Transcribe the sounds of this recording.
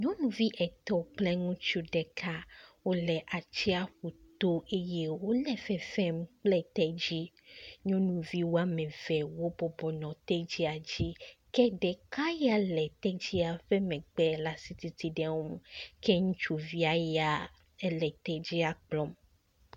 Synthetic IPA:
ɲɔ̃˦nũ˨vi˦ʔɛ˨t̪ɔ˦k͡plɛ˦ŋũ˦t͡ʃu˦ɖɛ˨kʰa˦wo˦lɛ˨ʔa˨t͡ɕi˦a˨ɸu˨t̪o˦ʔe˦je˦wo˦lɛ˨fɛ˨fɛ̃˦mk͡plɛ˦t̪ɛ˦d͡ʑi˦ | ɲɔ̃˦nũ˨vi˦wo˦a˦mɛ̃˨vɛ˨wo˦bɔ˨bɔ˨nɔ̃˨t̪ɛ˦d͡ʑi˦a˨d͡ʑi˦kɛ˦ɖɛ˨ka˦ja˨lɛ˨t̪ɛ˦d͡ʑi˦a˨ɸɛ˦mɛ̃˨ɡ͡bɛ˦la˨si˦t̪i˨t̪i˦ɖɛ˨wo˦m˦kʰɛ˦ŋũ˦t͡ʃu˦vi˦a˦ja˦ | ɛ˦lɛ˨t̪ɛ˦d͡ʑi˦a˨k͡plɔ̃˦m

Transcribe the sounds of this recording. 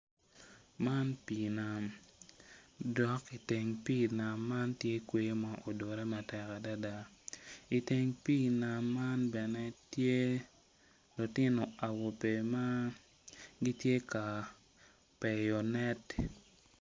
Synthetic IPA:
ma˦npi˨na˨m | dɔ˨ki˨te˨ŋpi˦na˨mːa˦ntje˦kwe˦ma˨ʔo˨do˨ɾɛ˦ma˨tɛ˨ka˨da˦da˦ | i˨te˨ŋpi˦na˨mːa˦nbɛ˨nɛ˦tje˦ | lo˨tɪ˦nɔ˨a˨wo˨pe˨ma˦ | ɡi˦tje˦ka˨ | pɛ˨jɔ˨nɛ˦t

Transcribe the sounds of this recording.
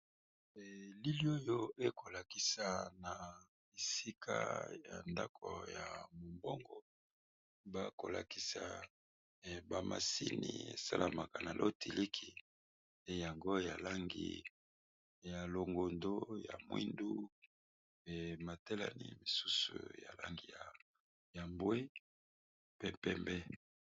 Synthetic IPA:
li˦li˦o˦jo˦e˦ko˨la˨ki˨sa˨na˨ | e˨si˦kʰa̰˦ja̰˨nda˦kʰo̰˨ja˨mo˨mbo˦ŋɡɔ˨ | ba˦ko˨la˨ki˨sa˨ | ba˨ma̰˨si˦ni˨ḛ˨sa̰˦lʔa˨ma˨ka˨na˨lʔo˦ti˨li˦kʰi˨ | e˦ja˨ŋɡo˦ja˨la˦ŋɡi˨ | ja˨lo˨ŋɡo˨ndo˦ja̰˨mwḭ˦ndu˦ | e˨ma˨te˦la˨ni˦mi˨su˦sṵ˨ja̰˨la˦ŋɡi˨ja˨ | ja˨mbwe˦ | pɛ˦pɛ˦mbɛ˦

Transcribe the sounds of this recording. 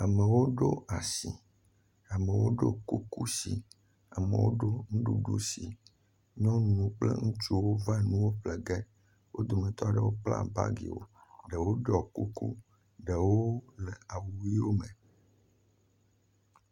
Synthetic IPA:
a˨me˨wo˦ɖo˦a˨si˨ | a˨mẽ˨wo˦ɖo̰˦ku˦ku˦sḭ˨ | a˨mḛ˨wo̰˦ɖo˦ŋũ˦ɖṵ˨ɖṵ˦si˨ | ɲɔ̃˦nũ˦k͡plḛ˦ŋũ˦t͡ʃu˦wo˦va˦nũ˦wo˦ɸle˨ɡɛ˦ | wo˦d̪o˨mẽ˨t̪ɔ˦a˨ɖe˨wo˦k͡pla̰˦˨ba̰˦ɡḭ˨wo̰˦ɖe˨wo˦ɖɔ˨ku˦kṵ˦ | ɖe˨wo˦lɛ˨a˨wu˨wi˦wo˦mẽ˨

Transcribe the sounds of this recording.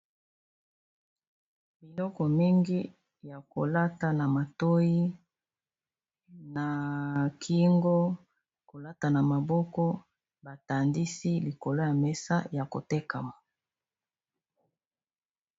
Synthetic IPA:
bi˨lɔ˦kɔ˨mi˦ŋɡi˦ | ja˨ko˨la˦ta˨na˨ma˨to˦ji˦ | na˨kʰi˦ŋɡo˦ | ko˨la˦ta˨na˨ma˨bɔ˦kɔ˦ | ba˨ta˨ndi˦si˦li˨ko˨lo˦ja˨mɛ˦sa̰˦ja˨ko˨te˦ka˨ma˨

